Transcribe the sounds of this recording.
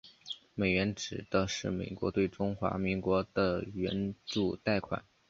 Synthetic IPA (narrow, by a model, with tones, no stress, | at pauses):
me˨˩ɪɥɛ˧˥nʈ͡ʂɻ̩˨˩d̪ə˧ʂɻ̩˥˩mḛ˨˩ɪkwɔ̰˧˥t̪we˥˩ɪʈ͡ʂʊ˥ŋxwa̰˧˥mi˧˥ŋkwɔ˧˥d̪̥ə˧ɥɛ̰˧˥nʈ͡ʂu˥˩t̪a˥˩ɪkʰwa̰˨˩˦n